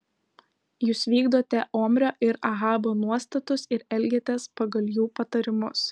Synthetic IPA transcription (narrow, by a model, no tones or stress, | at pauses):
juːsʋʲiːɡd̪oːt̪ʲɛʔoːmʲɾʲoːʔɪɾɐɣɑːboːnuɔst̪ɐt̪ʊsɪɾɛlʲɡʲɛt̪ʲɛspɐɡɐlʲˠjuːpɐt̪ɐɾʲɪmʊs